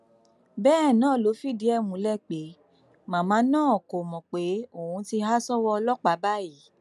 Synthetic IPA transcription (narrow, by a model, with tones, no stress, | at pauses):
bɛː˦˨nãː˦˨lo˨˦fi˦˨di˨˦ɛ˦˨mũ˨˦lɛ˦˨k͡pe˨˦ | mã˨˦mãː˨˦nãː˦˨ko˨mɔ̃˨k͡pe˨˦o˦˨ũ˨˧˦ti˧ɦa˦sɔ˦wɔ˧lɔ˦k͡pa˨˦ba˦˨i˨˦